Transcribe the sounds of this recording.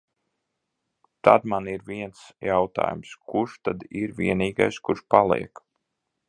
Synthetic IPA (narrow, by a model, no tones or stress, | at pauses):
t̪a̰d̪maniɾviɛnsjawt̪a̰ːjumskuʃt̪ad̪iɾvʲiɛniːɡajskuɾʃpalˠḭɛk